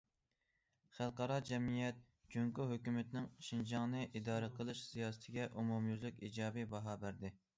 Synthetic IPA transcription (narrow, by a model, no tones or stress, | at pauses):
χælˠqʰɑɾɑd͡ʒɛmijɛt̪̚ | d͡ʒyŋkuɦøkʲymɪt̪nɪŋʃind͡ʒɑŋnɨʔid̪ɑːɾɨqʰəlˠɨʃsijɑːsɨ̥t̪ʰɪɡʲɛʔumumjyzlykʲid͡ʒɑːbibɑɦɑːbæɾd̪ɪ